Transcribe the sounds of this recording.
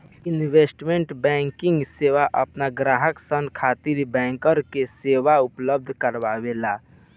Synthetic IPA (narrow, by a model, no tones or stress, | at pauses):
ɪnweːsʈmẽɳʈbɛ̃ːŋkɪ̃ŋɡseːʋaʔəpnaɡɾaːɦəksənkʰaːt̪iɾbɛ̃ːŋkəɾkeseːʋaʊpləb̚d̪ʱkəɾʋaʋela